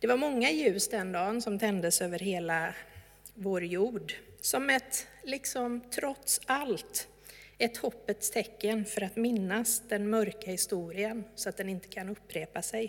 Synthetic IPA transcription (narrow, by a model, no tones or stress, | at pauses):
d̪̥ɛvaɾmɔŋːajʉ̟ːsd̪ɛnd̪ɑːnsɔmt̪ʰɛnd̪əsøːvəɾɦeːla | voːɾjuːɖsɔmɛt̪lɪksɔmt̪ʰɾɔt̪salt̪ | ɛt̪hɔpːət̪st̪ʰɛkːənfœɾat̪mɪnːasd̪̥ɛnmœɾkahɪst̪uːɾɪənsɔat̪̚d̪ɛnɪnt̪ə̥kʰanɵpːɾeːpasɛj